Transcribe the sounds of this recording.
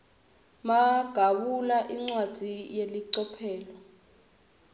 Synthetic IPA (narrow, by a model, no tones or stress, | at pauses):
maɡ̥ʱaɓulaʔiŋ͡ǀwad̥z̥ʱijeliǀɔpʰɛːlɔ